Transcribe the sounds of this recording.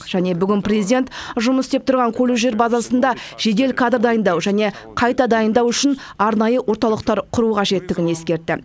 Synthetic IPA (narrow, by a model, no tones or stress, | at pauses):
ʒ̥æne̞bʏɡʲɪnprʲezid̪ʲe̞nt̪ʒʊməst̪e̞p̚t̪ʰʊɾʁɑŋkʲʰɵluʒe̞ɾbɑzɑsənd̪ɑʒ̥e̞d̪e̞lkʰad̪rd̪ɑjənd̪ɑwʒæne̞ | qʰɑjt̪ɑd̪ɑjənd̪ɑwʏʃɪn | ɑɾnɑjəwo̞ɾt̪ɑlˠəqt̪ɑɾqʰʊɾuqʰɑʒe̞t̪ːɪɡʲɪne̞skʲe̞ɾt̪ːɪ̰